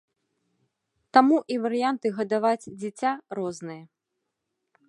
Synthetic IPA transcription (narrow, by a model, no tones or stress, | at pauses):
t̪amuʔivɐɾɨjant̪ɨɣɐd̪avat͡sʲd͡zʲit͡sʲarɔznɨjɐ